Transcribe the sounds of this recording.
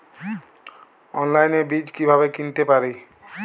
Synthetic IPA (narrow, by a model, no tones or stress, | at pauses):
ɔnlajnebid͡ʑkibʱaβekint̪epaɾi